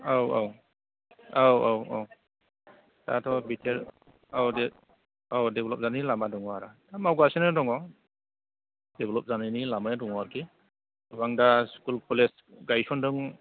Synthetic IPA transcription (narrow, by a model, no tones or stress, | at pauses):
awa̰w | awawa̰w | ta̰tʰɔbitʰel | awde | awdeblɔp̚zanilamadɔŋɔaɾatamawɡasenɯdɔŋɔ | deblɔp̚zananilamajdɔŋaɾki | baŋdaskulpʰɔles | ɡajsɔndɯŋ